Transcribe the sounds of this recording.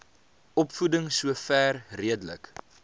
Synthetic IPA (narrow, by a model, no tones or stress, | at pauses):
ɔpfudəŋsuəfæːrriədələk